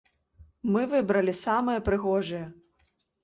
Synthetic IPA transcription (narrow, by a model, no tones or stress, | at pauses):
mɨvɨbɾɐlʲisamɨjɐpɾɨɣɔʐɐjɛ